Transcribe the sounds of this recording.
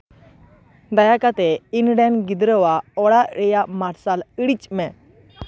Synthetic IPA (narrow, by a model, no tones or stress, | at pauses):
d̪ajakat̪ɛinɽanɡid̪ɾəwaɔɽaɾɛjamaɾsaləɽit͡ɕmɛ